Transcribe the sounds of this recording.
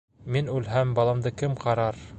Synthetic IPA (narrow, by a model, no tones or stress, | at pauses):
minʉlɦæmbɑlˠɑmd̪ɤkɘmqʰɑɾɑɾ